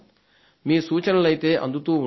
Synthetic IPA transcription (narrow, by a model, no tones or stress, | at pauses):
miːsuːt͡ʃɐnɐlɐjt̪eːʔɐ̰nd̪ut̪uːu